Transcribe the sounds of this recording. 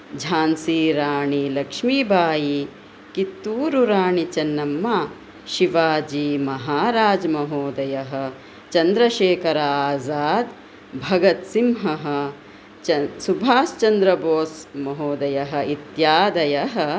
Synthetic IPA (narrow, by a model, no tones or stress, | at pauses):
d͡ʒʱaːnsiːɾaːɳilɐkʂmiːbʱaːji | kit̪ːuːɾuɾaːɳit͡ʃɐnːɐmːa | ʃiʋaːd͡ʒiːmɐɦaːɾaːd͡ʒmɐɦoːd̪ɐjɐɦɐ̆ | t͡ʃɐnd̪ɾɐʃeːkɐɾɐaːzaːd̪ | bʱɐɡɐt̪simɦɐɦɐ̆ | ɐsubʱaːst͡ʃɐnd̪ɾɐboːsmɐɦoːd̪ɐjɐɦɐ̆it̪jaːd̪ɐjɐɦɐ̆